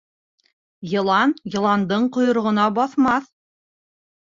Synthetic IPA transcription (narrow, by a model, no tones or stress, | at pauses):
jɤ̆lˠɑnjɤ̆lˠɑnd̪ɤɴqŏjŏɾ̆ʁɤ̆nɑbɑθmɑθ